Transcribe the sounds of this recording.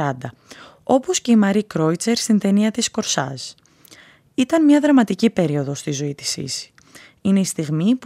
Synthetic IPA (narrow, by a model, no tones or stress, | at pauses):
ɐnd̪ɐ | o̞po̞sce̞imɐɾikɾo̞it͡se̞ɾst̪int̪e̞niɐt̪isko̞ɾsɐ̰s | it̪ɐnmɲɐðɾɐmɐt̪icipe̞ɾio̞ðo̞st̪izo̞it̪i̥sḭsi̥ | ine̞ist̪iɣmip